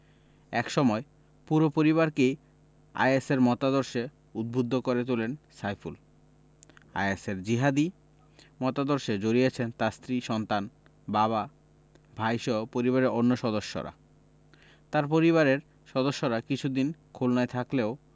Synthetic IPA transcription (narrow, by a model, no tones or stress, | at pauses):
ɛkʃɔmɔe | puɾopoɾiβaɾkej | a̰jeseɾmɔt̪ad̪oɾʃe | ud̪̚bʱud̪ʱːokoɾet̪̬ulensajful | a̰jeseɾd͡ʑiɦad̪i | mɔt̪ad̪oɾʃed͡ʑoɾijet͡ɕʰent̪ast̪ɾiʃɔnt̪an | baβa | bʱajʃɔɦopoɾiβaɾeɾonːoʃɔd̪oʃːo̰ɾa̰ | t̪aɾp̬oɾiβaɾeɾ | ʃɔd̪oʃːoɾakit͡ɕʰud̪inkʰolnaet̪ʰakleo